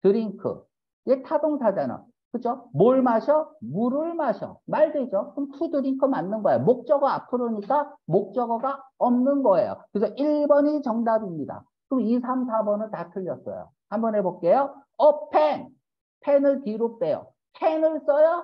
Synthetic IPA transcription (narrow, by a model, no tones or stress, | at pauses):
tɯɾiŋkʰɯ̰ | etʰadoŋsʰad͡ʑana̰ | kɯd͡ʑomoɭmaɕʰʌmuɾɯɭmaɕʰʌ̰maɭdwed͡ʑokɯmkʰudɯɾiŋkʰɯmanːɯnɡʌejomok̚t͡ɕ͈ʌɡaapʰɯɾoɲik͈amok̚t͡ɕ͈ʌɡʌɡaʌmnɯnɡʌejo̰kɯɾesʰʌʔiɭbʌɲit͡ɕʌŋdabimɲida̰ | kɯmisʰamsʰabʌnɯɭtatʰɯʎːʌs͈ʌ̰jo̰ | hambʌnɦebok͈ejoʌpʰen | pʰenɯɭkiɾop̚t͈e̞jo̰ | pʰenɯɭs͈ʌjʌ